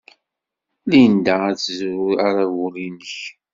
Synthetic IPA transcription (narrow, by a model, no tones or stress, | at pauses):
lind̪aæt͡szuaɾawuɾinəç